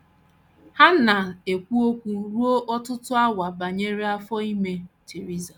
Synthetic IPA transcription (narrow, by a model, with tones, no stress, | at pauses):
ha˦na˨e˨kʷu˦o˦kʷu˨ɾu˦o˦ʔɔ˦tʊ˦tʊ˦a˦wa˨ba˨ɲe˦ɾi˦a˦fɔ˦i˦me˦t͡ʃe˨ɾi˦za˨